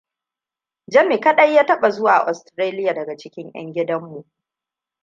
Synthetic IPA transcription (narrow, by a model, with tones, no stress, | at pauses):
d͡ʒɐ˦mi˨kɐ˦ɗɐ˦jːaː˦tɐ˦ɓa˨zʊ˦waː˨ʔa̰˨ʔɔ˨stɾaː˦lɪ˦ja˨dɐ˨ɡa˨t͡ʃɪ˦kʲɪ˦ɲj̰ɐ̰˦ŋɡʲɪ˦dɐ˦mːu˨ʔ